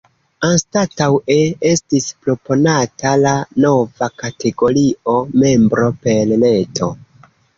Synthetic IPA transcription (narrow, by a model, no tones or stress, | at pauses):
anstatawe̞e̞stispɾo̞po̞natalano̞vakate̞ɡo̞ɾio̞me̞mbɾo̞pe̞lne̞tʰo̞̰